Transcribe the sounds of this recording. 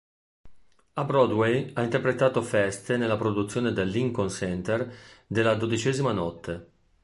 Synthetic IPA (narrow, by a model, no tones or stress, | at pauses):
abɾɔd̪wejaint̪erpɾet̪aːt̪ofɛst̪enelːapɾod̪ut̪sːjoːned̪elːiŋkonsɛnt̪erd̪elːad̪od̪it͡ʃɛːzimanɔt̪ʰːe